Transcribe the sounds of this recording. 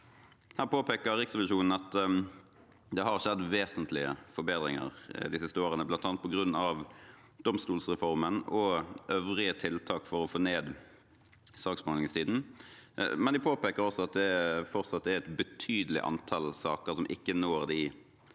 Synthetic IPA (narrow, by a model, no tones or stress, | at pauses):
hæːʁpʰoːpeːkəɾʁɪksɛʋɪʂuːnn̩ɑt̪ | d̪ɛhɑɾʃɛd̪ːʋeːsənt̪lɪə̰fɔɾbeːd̪ʁɪŋə̰ʁd̪ɪsɪst̪əoːʁənəblɑnt̪ɑːnpʰɔɡʁʉnːɑʋ | d̪̥ɔmst̪uːlsʁɛfɔɾmənɔʔøːʋʁɪət̪ʰɪlt̪ʰɑːkfɔɾɔfoːneːd̪ | sɑːksmoːnɪŋst̪ʰiːd̪n̩ | mɛnd̪ɪpʰoːpeːkəɾɔsɔɑt̪̚d̪ɛfɔɾt̪sɑt̪d̪ɛɾɛt̪bət̪ʰyːd̪əlɪ̰ʔɑ̰nt̪ʰɑlsɑːkəɾsɔmʔɪ̰kːənoːɾd̪ɪ